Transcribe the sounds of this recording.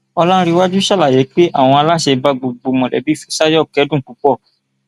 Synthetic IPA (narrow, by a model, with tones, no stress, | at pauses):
ɔ˧lã˦ɾi˧wa˦d͡ʒu˦ʃa˦la˦˨je˨˦k͡pe˦ʔa˦˨w̃ɔ̃˧a˧la˦ʃe˧ba˦ɡ͡bo˨ɡ͡bo˧mɔ̃˨lɛ̰˨˦bi˦˨fɛ˨˦sa˦jɔ˦˨kɛ˨˦dũ˦˨k͡pu˨˦k͡pɔ˦˨